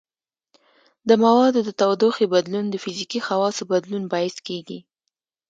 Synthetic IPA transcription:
d̪əmawɑd̪od̪ət̪awd̪oxebad̪lund̪əfɪzikixawɑsəbad̪lunbɑɪskeɡi

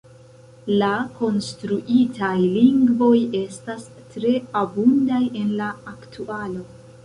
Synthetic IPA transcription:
lako̞nstɾuʔitʰajliŋɡvo̞je̞stas | tɾe̞abundaje̞nlaːktʰualo̞

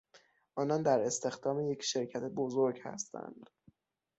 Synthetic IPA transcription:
ʔɒːnɒːnd̪æɾe̞st̪e̞xd̪ɒːmeje̞cʰʃe̞ɾcʰæt̪ʰebozoɾɡhæ̰st̪ʰæ̰nd̪̥

